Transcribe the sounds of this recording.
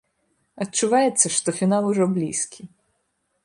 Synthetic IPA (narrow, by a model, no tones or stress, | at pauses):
ɐt͡ʃʊʋajet̪sʲːɐʂt̪ɔfʲinalˠʊʐɔblʲḭsʲkʲʰi